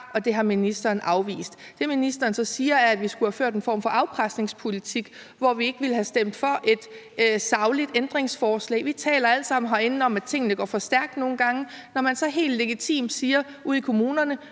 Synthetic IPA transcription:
ɒ̽d̥e̝ɦɑ̈minisd̥ɐːnʔɑ̈ʊʋḭːsd̥ | d̥e̝minisd̥ɐːnsɒ̽siːɐæɐæd̥ʋisɡ̥uhæføɐ̰d̥e̝nfɒ̰ːmfɒ̽ʔɑ̈ʊpʰʁasd̥ne̝ŋspʰo̝lit͡sʰiɡ̥ | ʋɒʋie̝ɡ̥ʋilɦæsd̥em̰d̥fɒ̽ʔe̝d̥ | sɑ̈ʊlid̥end̥ʁeŋsfɒːslɛ̰ːɪʋit͡sʰɛ̰ːlɐæləsɑ̈m̰n̩ɦɒe̝nn̩ɒ̽mæ̥t͡sʰe̝ŋ̰ənəɡ̥ɒ̰ːfɒ̽sd̥æɐɡ̥̚d̥no̝ːn̩ɡ̥ɑ̈ŋə | nɒmænsɒ̽ɦe̝̰ːld̥le̝ɡ̥it͡sʰḭːmd̥siːɐ | uð̰ˠikʰo̝muːnɐnə

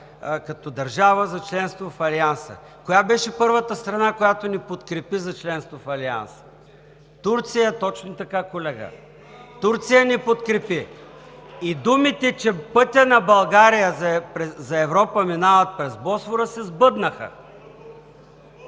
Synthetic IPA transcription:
kɐt̪ɔd̪ɐɾʒavəzɐt͡ʃlɛnst̪vofɐliansə̰ | kojabɛʃɛpɤɾvət̪əst̪ɾɐnakojat̪onipot̪kɾɛpizɐt͡ʃlɛnst̪vofɐlia̰nsə̥ | t̪uɾt̪sijət̪ɔt͡ʃnʊt̪ɐkakolɛɡə̰ | t̪uɾt̪sijənipot̪kɾɛpi | id̪umit̪ɛt͡ʃɛpɤt̪ʲɐnɐbɐlˠɡaɾijəzpɾɛzɐɛvɾɔpəminavət̪̚pɾɛzbɔsvoɾəsɛzbɤd̪nəxə̰

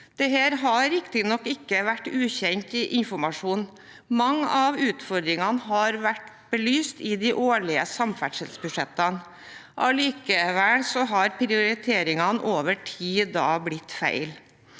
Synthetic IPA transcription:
d̪̥ɛɦeːɾɦɑɾɪkt̪ɪnɔkːɪkːəʋæʈːʉːçɛŋt̪ɪʔɪnfɔɾmɑʂuːn | mɑŋːəɑʋʉːt̪fɔɾd̪ɾɪŋɑnɦɑɾʋæʈ | b̥əlyːst̪ɪd̪ɪʔoːɭɪəsɑmfæʈʂəlsbʉʂɛt̪ːɑn | ʔɑliːkəʋælsɔɦɑɾpʰɾɪʊɾɪt̪ʰeːɾɪŋɑnʔoːʋəʈʰiːd̪ɑːblɪt̪ːfæ̰ɪl

